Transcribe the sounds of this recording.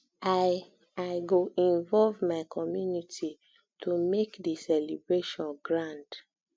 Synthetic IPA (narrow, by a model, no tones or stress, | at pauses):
a | aɪɡoʔĩnvɔlvmaɪkʰɔmjunitʰi | tʰumekdisɛlibɹeʃɔ̃nɡɹãnd